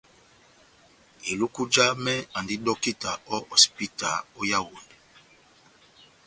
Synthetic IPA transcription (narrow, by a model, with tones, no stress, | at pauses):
i˨lu˦ku˦d͡ʒa˦mɛ˦a˨ndi˦dɔ˦ki˦ta˨ɔ˦ɔ˨si̥˨pi˦ta˨ɔ˦ja˦wu˨n˨